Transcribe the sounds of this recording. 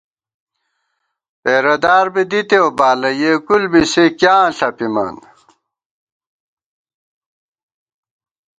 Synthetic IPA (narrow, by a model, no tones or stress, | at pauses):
peːɾɐd̪aːɾbid̪it̪eobaːlɐjekulbisekjãːɬɐpimɐ̰n